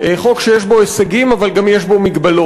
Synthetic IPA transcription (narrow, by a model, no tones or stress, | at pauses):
eχo̞kʃejeʃbo̞esaɡimavalɡamjeʃbo̞miɡbalo